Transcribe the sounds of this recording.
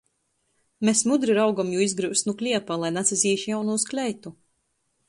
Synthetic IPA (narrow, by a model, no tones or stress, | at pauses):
mesmud̪ɾiɾawɡamjuːizɡɾɨwsnuklʲiɛpalˠajnat̪sʲɛzʲiːʃjawnuːsklʲɛjt̪u